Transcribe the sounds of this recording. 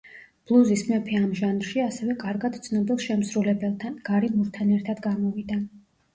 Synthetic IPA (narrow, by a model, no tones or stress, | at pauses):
b̥lˠuzismɛpʰiamʒanɾʃiasɛvɛkʼaɾɡad̪̥̚t̪sʰnɔbilˠʃɛmsɾulɛbɛlˠt̪ʰanɡ̥aɾimuɾt̪ʰanɛɾt̪ʰad̪ɡamɔvid̪a